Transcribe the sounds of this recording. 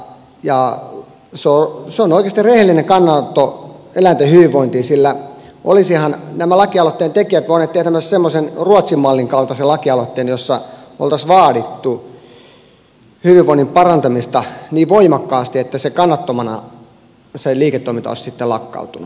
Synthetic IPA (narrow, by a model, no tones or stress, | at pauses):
jɑ | seoseonoikeɑst̪irehelːineŋkɑnːɑt̪ːoelænt̪ehyʋiʋʋoint̪iːsilːæ | ʔo̰lisihɑnnæmælɑkiɑlot̪ːeːnt̪ekiæt̪ʋoinet̪ːehæt̪æmøssemːosenruɑt̪simːɑlːiŋkɑlt̪ɑselɑkiɑlot̪ːeːnjosːɑo̰lt̪ɑsʋɑːɾit̪ːu | hyʋiʋʋoinːimpɑrɑnt̪ɑmist̪ɑniːʋʋoimɑkːɑːst̪iet̪ːæsekɑnːɑt̪ːomɑnɑ̰ | seliːket̪ːoimint̪ɑ̰ˑissit̪ːelɑkːɑ̰ut̪unu